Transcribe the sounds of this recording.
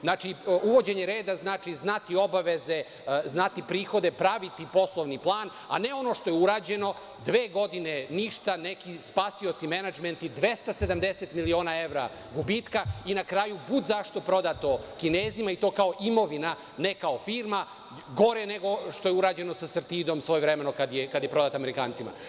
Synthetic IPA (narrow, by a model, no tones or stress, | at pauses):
znaːt͡ʃiuʋo̞d͡ʑe̞ɲeɾe̞ːd̪aznaːt͡ʃiznat̪io̞baʋe̞ze̞ | znat̪ipɾiːxo̞d̪e̞pɾaʋit̪ipo̞slˠoʋniplˠaːn | a̰neo̞no̞ːʃt̪o̞jeuɾaːd͡ʑe̞no̞ | d̪ʋeːɡo̞d̪ineniʃt̪anekispasio̞t̪simenad͡ʒment̪id̪ʋe̞st̪ase̞d̪amd̪eset̪milio̞ːnae̞ʋɾa̰ | ɡubit̪kainakɾaːjubud̪zaʃt̪o̞pɾo̞d̪at̪o̞kineːzimait̪o̞ːkao̞ʔimo̞ʋina | nekaofiːɾma | ɡo̞ɾeneɡo̞ʃt̪o̞jeuɾaːd͡ʑe̞no̞sasrt̪iːd̪o̞msʋojevɾemenokad̪jekad̪jepɾo̞d̪aːt̪ameɾikaːnt̪ima̰